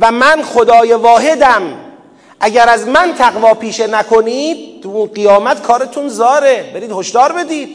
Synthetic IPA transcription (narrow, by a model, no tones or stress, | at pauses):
væmænxod̪ɒːjevɒːɦe̞d̪æm | ʔæɟæɾæzmænt̪ʰæɣvɒːpʰiːʃenækʰoniːd̪̚uɢijɒːmæt̪kʰɒːɾet̪ʰunzɒːɾebe̞ɾiːd̪hoʃd̪ɒːɾbe̞d̪iːd̪̥̚